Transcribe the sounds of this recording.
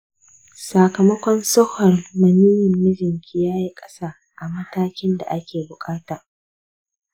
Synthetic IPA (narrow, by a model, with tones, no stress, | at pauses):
sa˨kɐ˨mɐ˦kʷɔ˦nso˦hɔ˨rmɐ˨niː˦jɪ˨mːɪ˦d͡ʒɪ˨ŋkʲi˦jaː˦ji˦kʼɐ˦saː˦ | ʔa˨mɐ˦taː˦kʲɪ˦nda̰˨ʔa˦kʲeː˨bʊ˨kʼaː˦taː˨